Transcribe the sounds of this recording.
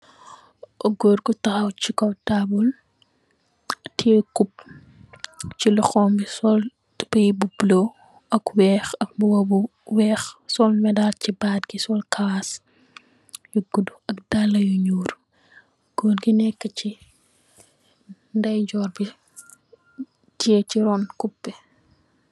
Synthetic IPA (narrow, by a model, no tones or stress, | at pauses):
ʔɔɡoɾɡutɐɐwt͡ʃikɔtabul | tʰiɛkup̚ | t͡ʃilɔxɔːmbisɔl | tpɐjibublo | ʔɐkwɛːxɐk̚buwɐbu | wɛːxsɔlmɛdalcibaːdɡisɔlkaas | juɡuduɐkdalːɐjuɲuːr | ɡ̥ɔːnɡinɛkːəci | ndɐjɟɔːrbi | tieciɾɔnkupːɛ